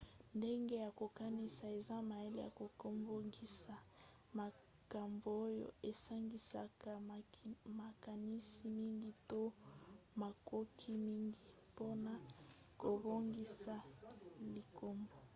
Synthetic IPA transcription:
nde˦ŋɡe˦ja˨ko˨ka˦ni˦sa˨e˨za˦ma˨e˦lḛ˦ja̰˨ko˨ko˦mbo˦ŋɡi˦sa˨ | ma˨ | ka˨mbo˨o˦jo̰˦e˨sa˦ŋɡi˦sa̰˨ka˨ | ma˨ka˨ni˦si˨mi˦ŋɡi˦to˦ma˨kʰo˦kʰi˦mi˦ŋɡi˨ | po˦na˦ko˨bo˦ŋɡi˦sa˨li˨kʰo˦mbo˨

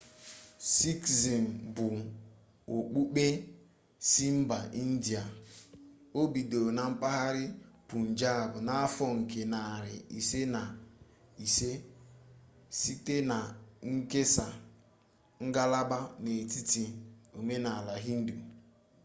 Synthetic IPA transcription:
si˦ksi˨m̩˨bʊ˨ | o˨k͡pu˦k͡pe˦ | si˦m̩˦ba˨ʔi˦n̩˦di˨a˨ | o˦bi˨do˨na˨m̩˦pa˦ɦa˦ɾɪ˦pu˨n̩˨d͡ʒa˦a˨bʊ˨na˦a˦fɔ˦ŋ̩˨ke˨na˨ɾɪ˨i˨se˦na˨ | i˨se˦ | si˦te˦na˨ŋ̩˦ke˦sa˨ | ŋ̩˦ɡa˦la˦ba˦ne˨ti˦ti˨o˨me˦na˨la˨ɦi˦n̩˦du˨

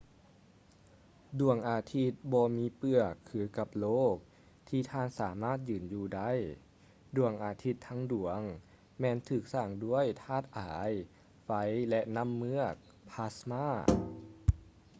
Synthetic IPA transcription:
du˨˩əŋʔaː˧t̪ʰi˧˥t̪̚bɔː˧miː˧˥pɯ˧˩əkʰːɯː˨˧˦ka˧˩p̚loː˥˩k̚ | t̪ʰiː˧˩t̪ʰaː˧˨nsaː˩˦maː˥˩t̪̚jɯː˨˩njuː˧da˦˥˩j | du˨˩əŋʔaː˧˩t̪ʰi˧˥t̪ʰːaː˧˥ŋdu˨˩˦əŋ | mɛː˧nt̪ʰɯː˨˩k̚saː˧˩ŋdu˧˥˩əjt̪ʰaː˧˥˩t̪̚ʔaː˩˦j | fa˧˦˥jlɛ˧˥ʔna˧˥˨mːɯ˧˥ək̚ | pʰa˧˥smaː˥˩

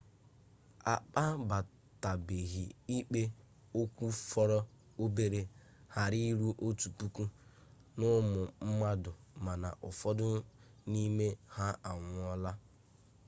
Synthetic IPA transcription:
a̰˨k͡pa˦ba˨ | ta˨be˨ɣi˨i˦k͡pe˦ | o˦kʷu˦fɔ˦ɾɔ˦ | o˦be˦ɾe˦ | ha˨ɾi˦ɾu˦ʔo˦tu˨pu˦ku˦ | nʊ˦mʊ˨m̩˦ma˦dʊ˨ma˨na̰˨ʔʊ˨fɔ˦dʊ˦ | ni˦me˦ha˦a˨ŋʷʊ˨ɔ˦la˦

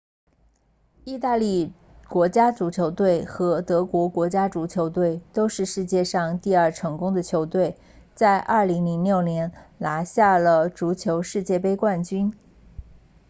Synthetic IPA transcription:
i˥˧t̪a˥˧li˥˩ | kwɔ˧˥t͡ɕja˥ʈ͡ʂu˧˥t͡ɕʰjo˧˥ʊt̪we˥˩ɪxɤ˧˥t̪ɤ˧˥kwɔ˧˥kwɔ˧˥t͡ɕja˥ʈ͡ʂu˧˥t͡ɕʰjo˧˥ʊt̪we˥˩ɪt̪o˥ʊʂɻ̩˥˧ʂɻ̩˥˧t͡ɕjɛ˥˧ʂɑ˥˧ŋt̪i˥˧ɐ˞˥˩ʈ͡ʂʰɤ˧˥ŋkʊ˥ŋd̪ə˨t͡ɕʰjo˧˥ʊt̪we˥˩ɪ | t͡sa˥˧ɪʔɐ˞˥˩li˧˥ŋli˧˥ŋljo˥˩ʊnjɛ˧˥nla˧˥ɕja˥˩lə˩ʈ͡ʂu˧˥t͡ɕʰjo˧˥ʊʂɻ̩˥˧t͡ɕjɛ˥˩pe˥ɪkwa˥˩nt͡ɕy˥n

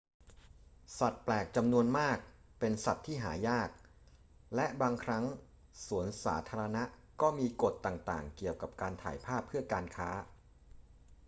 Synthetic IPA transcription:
sa˨˩t̪̚plɛː˨˩k̚t͡ɕa˧mnu˧ənmaː˥˩k̚pe˧nsa˨˩t̪ʰːiː˥˩ɦaː˩˦jaː˥˩k̚ | lɛ˦˥ʔbaː˧ŋkʰɾa˦˥ŋ | su˩˦ənsa̰ː˩˦t̪ʰaː˧ɾa˧na˦˥ʔ | kɔː˥˩miː˧ko˨˩t̪ːaː˨˩ŋt̪aː˨˩ŋki˨˩əwka˨˩p̚kaː˧nt̪ʰa̰ː˩˦jpʰaː˥˩pʰːɯ˥˩ɐkaː˧nkʰaː˦˥

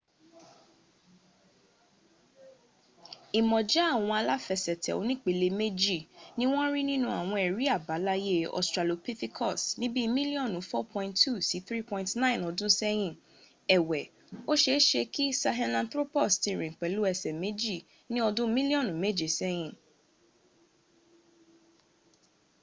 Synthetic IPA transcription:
i˨mɔ̃˨d͡ʒa˨˦a˦˨w̃ɔ̃˧a˧la˦fɛ˨sɛ˨tʰɛ̰˨o̰˨˧˦nĩ˦˨k͡pe˨˧le˧me˦d͡ʒi˦˨nĩ˦w̃ɔ̃˦ɾi˦nĩ˦nũ˧a̰˦˨w̃ɔ̃˧ɛ˨ɾi˨˦a˦˨ba˨˦la˦je˦˨ɔ̰˨stɾa˨lo˨˧pi˦ti˦kʰɔ˦˨snĩ˦bi˦mĩ˦li˦ɔ̃˦˨nũ˨˦fɔ˦pʰɔ̃˧ĩ˧ntːu˦˨si˨˦θɾi˦pɔ̃˧ĩntnã˦˨nɔ˨˧dũ˦sɛ˦j̃ĩ˦˨ | ɛ˨wɛ˨ | o˦ʃe˧˦ʃe˧ki˦sa˧ɦɛ̃˧lã˧nt̪ɾo˦pɔ˦˨sti˧˨ɾĩ˨k͡pɛ˨˦lu˦ɛ˧sɛ˨me˦d͡ʒi˦˨ | nĩ˦ɔ˧dũ˦mĩ˦li˦ɔ̃˦˨nũ˨˦me˦˨d͡ʒe˨sɛ˦j̃ĩ˦˨

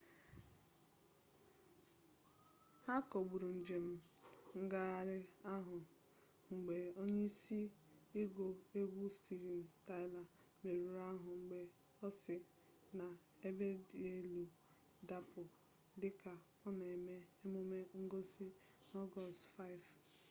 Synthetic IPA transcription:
ha˦kɔ˨ɡ͡bu˨ɾu˨n̩˨d͡ʒe˨m̩˦ŋ̩˦ɡa˦a˨ɾɪ˦a˦ɦʊ˨ | ŋ͡m̩˨ɡ͡be˨o˦ɲe˦i˦si˦i˦ɡo˨e˦ɡʷu˦sti˨ɡi˨n̩˨ta˦ɪ˦la˨ | me˨ɾu˨ɾa˦ɦʊ˨ŋ͡m̩˨ɡ͡be˨ | ɔ˦sɪ˨ | na˨ | e˦be˦de˦lu˨ | da˦pʊ˨ | dɪ˦ka˨ | ɔ˦na˨e˨me˦e˦mʊ˦me˦ŋ̩˦ɡo˦si˦ | nɔ˦ɡɔ˦stfa˦ɪ˨v

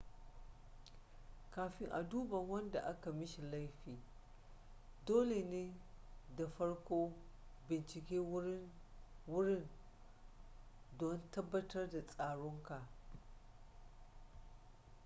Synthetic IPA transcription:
kaː˨ɸɪ˦ŋʔa̰˨duː˦bɐ˨ŋwɐ˦nda˨ʔa˦ka˨mɪ˦ʃi˨la˦jɸiː˨ | doː˦le˨neː˦da˨ɸɐ˦ɽkʷoː˦bɪ˨nt͡ʃɪ˨kʲeː˦wʊ˦ɽɪ˦n | dɔ˦ntɐ˦bːɐ˦tɐ˦rda˨sʼaː˨ɽʊ˦ŋka˨ʔ

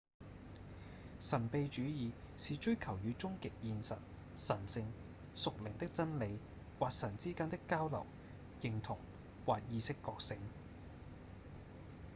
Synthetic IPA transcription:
sɐ˨˩npe˧jt͡ʃyː˨˥jiː˨˧ | siː˨t͡ʃɵ˥ɥkʰɐ˨˩wjyː˨˧t͡sʊ˥ŋkɪ˨k̚jiː˧nsɐ̰˨t̚ | sɐ˨˩nsɪ˧ŋ | sʊ˨k̚lɪ˨˩ŋt̪ɪ˥k̚t͡sɐ˥nle˨˧j | waː˨k̚sɐ˨˩nt͡siː˥kaː˥nt̪ɪ˥kːaː˥wlɐ̰˨˩w | jɪ˨ŋt̪ʰʊ˨˩ŋ | waː˨k̚jiː˨˧sɪ˥kːɔː˧k̚sɪ˨˧ŋ

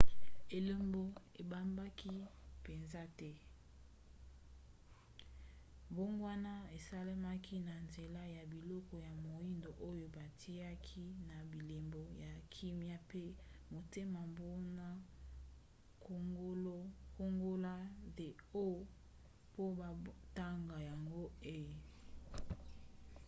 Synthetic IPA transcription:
e˨lo˦mbo˦e˨ba˦mba˦ki˦pe˨nza˦tɛ˦ | bo˦ŋɡwa˦na˦e˨sa˦la˦ma˦kʰi˦na˨nze˨la˦ja˨bi˨lɔ˦kɔ˨ja˨mo˨i˦ndo˨ʔo˦jo˦ba˨tʰi˦a˦kʰi˦na˨bi˨le˨mbo˨ja˨kʰi˦mja˦pe˦mo˨te˦ma˨mbo˦na˦ | ko˦ŋɡo˦la˦de˨o˦ | po˦ba˨ta˦ŋɡa˨ja˨ŋɡo˦e˦˨

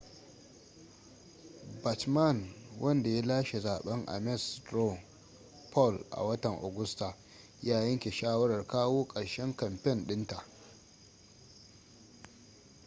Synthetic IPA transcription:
ba˨tma˦˨nwʔɐ˦nda˨ja˦laː˦ʃe˨zaː˨ɓɐ˦ŋʔa̰˨mɛ˦˨stɾo˦˨ | pʰɔ˦˨lʔa̰˨wɐ˦tɐ˨ŋʔo̰˨ɡʊ˦sta˨ | jaː˦jɐ˦ŋkʲe˨ʃaː˦wɐ˦ɽɐ˨rkaː˦woː˦kʼɐ˨ɽʃɛ˦ŋkɐ˨mpɛ˦˨nɗɪ˦nta˨ʔ

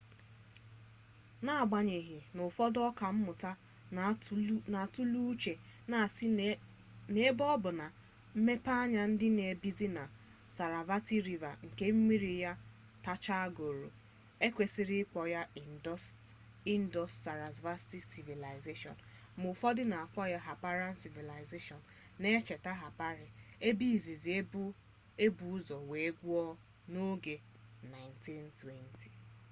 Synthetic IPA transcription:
na˦˨a˨ɡ͡ba˨ɲe˨ɦi˨nʊ˨fɔ˦dɔ˦ka˨m̩˦mʊ˨ta˦ | na˨tu˦lu˦t͡ʃe˨na˨s | ne˦bɔ˦bʊ˨na˨ | m̩˦me˦pa˦a˦ɲa˦n̩˦dɪ˦ne˨bi˦zi˦na˨ | sa˨ɾa˨va˦ti˦ɾi˨va̰˨ŋ̩˨ke˦m̩˦mi˦ɾi˨ja˦ | ta˦t͡ʃa˦a˦ɡo˨ɾo̰˨ | e˦kʷe˨si˦ɾi˦k͡pɔ˨ja˦˨˦ | i˦n˦dɔ˦stsa˨ɾa˨zva˦sti˦ssi˨vi˨la˨ɪ˨ze˦ʃɔ̰˨n | mʊ˨fɔ˦dɪ˦na˨a˨k͡pɔ˦ja˦ɦa˨pa˦ɾa˦n̩˦si˨vi˨la˨ɪ˨ze˦ʃɔ˨n˨ne˦t͡ʃe˨ta˦ɦa˨pa˦ɾɪ˨e˦bi˦˨zi˨zi˨˦ | e˦bu˨˦u˦zɔ˨we˨˦ɡʷu˦ɔ˦ | no˦ɡe˨ | na˨ɪ˨nti˦ntwe˦ntʰi̥˨

